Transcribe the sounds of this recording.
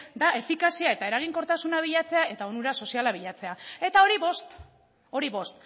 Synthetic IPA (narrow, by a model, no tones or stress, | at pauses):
d̪ae̞fikasiae̞t̪ae̞ɾaɣ̞iŋko̞ɾt̪asunaβ̞iʎat͡se̞ae̞t̪aonuɾaso̞sialaβiʎat͡se̞ae̞t̪ao̞ɾiβost̪ | o̞ɾiβo̞st̪